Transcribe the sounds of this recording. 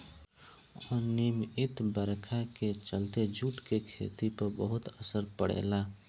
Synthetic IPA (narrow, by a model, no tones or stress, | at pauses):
ɔːɾnimɪt̪bəɾkʰaket͡ʃəlt̪ed͡ʒuːʈkekʰḛːt̪ipəɾbəɦʊt̪əsəɾpəɽḛːlaː